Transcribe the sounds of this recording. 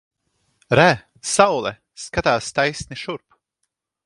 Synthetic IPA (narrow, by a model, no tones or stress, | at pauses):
ɾæ | sawlˠɛ̰ | skat̪aːst̪ajsniʃuɾp